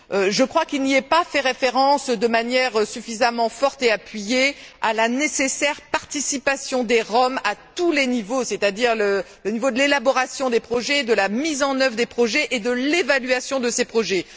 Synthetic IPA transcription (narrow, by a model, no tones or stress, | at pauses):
øʒəkχwakilniɛpafɛʁefeʁɑ̃sd̪əmanjɛʁsyfizamɑ̃fɔʁt̪eapɥijealanesesɛʁpaʁt̪isipasjɔ̃d̪eʁɔmat̪ulenivoset̪ad̪iʁlə | lənivod̪əlelabɔʁasjɔ̃d̪epχɔʒɛd̪əlamizɑ̃nœvʁəd̪epχɔʒɛʔed̪əlevalɥasjɔ̃d̪əsepχɔʒɛ